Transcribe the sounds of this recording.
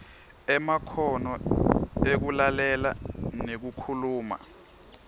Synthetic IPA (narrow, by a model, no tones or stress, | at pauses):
ɛmakʰɔnɔ | ek̬ulalɛla̰nek̬ukʰuluːma̰